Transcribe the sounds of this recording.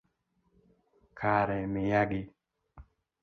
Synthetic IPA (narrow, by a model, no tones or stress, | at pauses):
kʰaɾɛmɪjaɡɪ